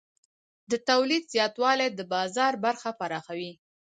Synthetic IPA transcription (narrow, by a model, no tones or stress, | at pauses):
d̪ət̪awlid̪z̥jɑt̪wɑled̪əbɑzɑɾbaɾxapaɾɑxawi